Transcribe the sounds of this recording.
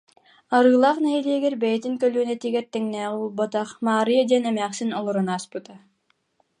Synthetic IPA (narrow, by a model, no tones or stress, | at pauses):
aɾɯːlˠaːχnɛɦiliɛɡɛɾbɛjɛt̪iŋkœlyːnɛt̪iːɡɛɾt̪ɛŋnɛːʁiulˠbɔt̪aχmaːɾɯjad̪iɛnɛmæːχsinɔlˠɔɾɔnaːspɯt̪a